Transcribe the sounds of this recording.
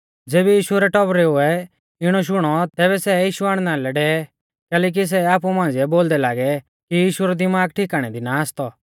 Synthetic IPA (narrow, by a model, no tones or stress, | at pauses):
d͡zeːbijiːʃuɾɛʈɔbɾɛʊɛ | ɪɽ̃ɔʃ̬ʊɽ̃ɔt̪ɛːβɛsɛjiːʃuaːɽ̃nãːlɛɖɛːɛ | kɛːlɛːk̬is̬ɛaːp̬umãːnd͡ziɛboːld̪ɛlaːɡɛ | kijiːʃuɾɔd̪ɪmaːɡ̚ʈʰiːkaːɽ̃ɛd̪inaːst̪ɔ